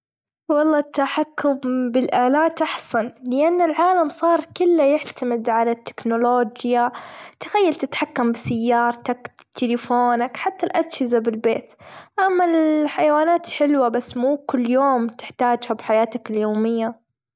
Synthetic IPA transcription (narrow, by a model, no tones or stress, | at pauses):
wɑlˤːɑːt̪ːaħakːʊmbɪlʔaːlaːt̪ɑħsanlɪʔanːɪlʕaːlamsˤɑːɾˤkʊlːajɪħt̪amɪd̪ʕalat̪ːɪ̥knʊloːd͡ʒjat̪ɪxajːalt̪ɪt̪ħakːambɪsajːɑːɾˤt̪akt̪ʰɪlɪfoːnakħat̪ːalʔad̪hɪzabɪlbeːt̪ʔamːalħajawaːnaːt̪ħɪlwabasːmuːkʊlːjoːmt̪ɪ̥ħt̪aːd͡ʒhabħajaːt̪akɪljoːmɪjːa